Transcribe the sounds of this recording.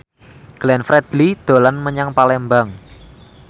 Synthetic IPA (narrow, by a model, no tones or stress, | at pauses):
ɡ̥lɛnfɾɛd̪̥lid̪̥o̤lanməɲaŋpalɛmbaŋ